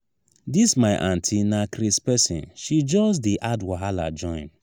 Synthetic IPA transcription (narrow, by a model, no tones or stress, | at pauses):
dismaɪʔãntʰinakɾispɛsḭ̃nʃid͡ʒɔs̬diʔadwaɦala̰d͡ʒɔ̃ɪ̃n